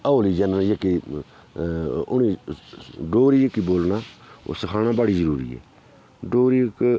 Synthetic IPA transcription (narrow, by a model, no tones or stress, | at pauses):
əoːliːd͡ʒənjəkːi | ʊ̰niː | ɖoːɾiːjəkːiːboːlnaːo̰ːsəkʰaːnaːbaɽiːzəɾuːɾḭːɛ̰ː | ɖoːɾik